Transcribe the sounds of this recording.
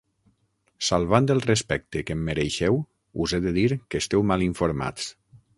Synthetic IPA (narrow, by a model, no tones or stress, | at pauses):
salˠβand̪elˠrespɛk̚t̪ekemːeɾeʃɛw | uzeðeðiɾkest̪ɛwmaliɱfoɾma̰t͡s